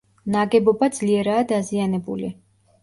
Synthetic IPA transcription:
naɡɛbɔbad̪zliɛɾaːd̪azianɛbṵlḭ

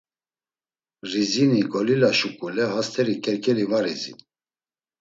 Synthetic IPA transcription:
riziniɡɔlilaʃukʼulɛɦast̪ʰɛɾikʼɛɾkʼɛlivaɾizḭn

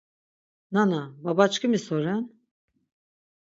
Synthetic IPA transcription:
nanababat͡ʃkʰɯmɯsoɾan

